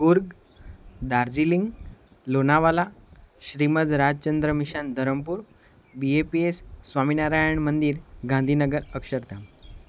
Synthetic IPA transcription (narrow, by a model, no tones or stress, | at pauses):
ɡuɾɡ | d̪aɾd͡ʑiliŋɡ | lonaʋalaɕɾiməd̪ɾad͡ʑt͡ɕənd̪ɾəmiɕand̪ʱəɾəmpuːɾ | biepiesːʋaminaɾajəɳmənd̪iːɾɡãnd̪ʱinəɡəɾəkɕəɾt̪ʰam